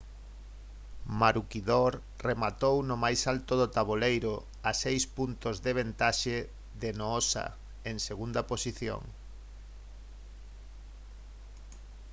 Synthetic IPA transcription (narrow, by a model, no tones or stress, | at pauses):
maɾukiðoɾ | remat̪ownʊmajsalt̪oðot̪aβolejɾʊ | asejspunt̪ozðeβ̞ent̪aʃe | ðenoosa̰ | eŋseɣund̪ɐposiθjo̰ŋ